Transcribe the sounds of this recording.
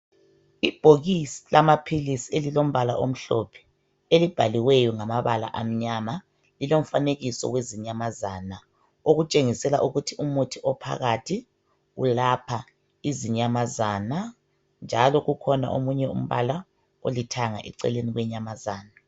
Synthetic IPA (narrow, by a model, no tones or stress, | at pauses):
ib̥ʱoɣisi̥lamapʰilisielilom̩βalaʔom̩ɬɔpʰɛ̥ | elib̥ʱaliwɛjɔŋamaβala̰ʔam̩ɲama | lilom̩faneɣisɔ̰weziɲamazana | oɣut͡ʃʼeŋisɛla̰ʔuɣutʰiumutʰiʔɔpʰa̰ɣatʰi | ɣṵlapʰa | iziɲamazana | nd͡ʒʱalɔɣukʰɔna̰ʔo̰muɲɛṵm̩βa̰la | olitʰaŋa̰ʔɛ̰ǀɛ̰leniɣwɛɲamazaːna